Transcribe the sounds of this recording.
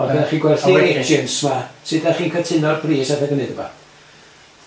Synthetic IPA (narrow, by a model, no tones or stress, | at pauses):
ɔvɛaχiːɡwɛrɬieənsmasɨdaχiːnkʰətʰɪnɔrbriːsadaɡənɨdəba̰